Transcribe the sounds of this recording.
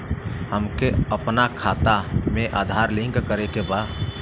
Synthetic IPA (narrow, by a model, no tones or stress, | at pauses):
ɦəmkeəpnakʰat̪ameʔad̪ʱaɾlĩŋkkəɾekeba